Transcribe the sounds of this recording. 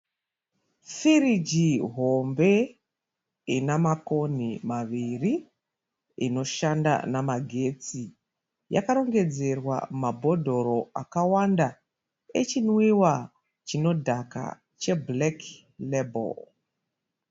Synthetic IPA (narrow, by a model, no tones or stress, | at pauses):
fiɾid͡ʒiɦo̞mbe̞ | inamako̞nimaʋiri | ḭno̞ʃanda̰namaɡʱe̞t͡si | ja̰kaɾo̞ŋɡe̞d͡ze̞rwa̰mabʱo̞dʱo̞ɾo̞a̰kawanda | e̞t͡ʃinwiwa | t͡ʃino̞dʱaka̰ | t͡ʃe̞blek | lebo̰l